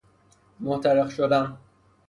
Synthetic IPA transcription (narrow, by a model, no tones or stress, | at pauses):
mot̪ʰæɾexʃod̪æn